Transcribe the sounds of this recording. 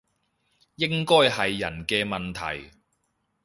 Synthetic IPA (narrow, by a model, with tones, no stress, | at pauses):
jɪ˥ŋkɔː˥jhɐ˨jːɐ̰˨˩nkɛː˧mɐ˨nt̪ʰɐ̰˨˩j